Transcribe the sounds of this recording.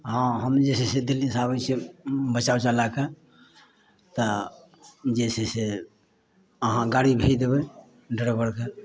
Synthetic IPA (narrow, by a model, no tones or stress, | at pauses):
ɦãɦəmd͡ʒesesed̪ilːisabət͡ʃʰebət͡ʃawt͡ʃalake | t̪ə | d͡ʒɛsese | əɦãɡaɽibʱed̪ebɛ | ɖəɽəbəɽke